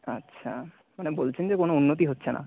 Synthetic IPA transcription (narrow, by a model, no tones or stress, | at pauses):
atːɕʰa | manebolt͡ɕʰend͡ʑekonounːot̪iɦotːɕʰenʔa̰